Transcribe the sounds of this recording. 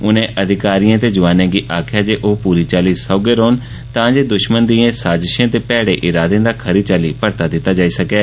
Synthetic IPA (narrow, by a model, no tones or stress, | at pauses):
ʊnẽːʔəd̪ʱɪkaːɾijãːt̪eːd͡ʒʊʋaːnẽːɡiːʔaːkʰɪjaːd͡ʒeːʔoːpuːɾiːt͡ʃaːliːsɔːɡeːɾoːn | t̪ãːd͡ʒeːd̪ʊʃmənd̪iːãːsaːd͡ʒɪʃãːt̪eːpɛːɽeːʔɪɾaːd̪ẽːd̪aːkʰəɾiːt͡ʃaːliːpəɾt̪aːd̪ɪt̪ːaːd͡ʒaːiːsəkɛː